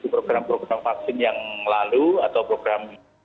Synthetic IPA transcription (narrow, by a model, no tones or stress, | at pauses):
t̪upɾoɡɾampɾoɡɾamfak̚sɪnjaŋlaluat̪awpɾoɡ̥ɾam